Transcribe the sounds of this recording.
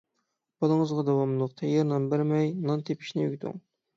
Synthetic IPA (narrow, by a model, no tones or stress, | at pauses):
b̥ɑlˠəŋəzʁɑd̪ɑwɑmlˠəqt̪ʰɑjeɾnɑnbæɾmɛjnɑnt̪ʰepʰi̥ʃnɪy̰ɡʲit̪ʰṵŋ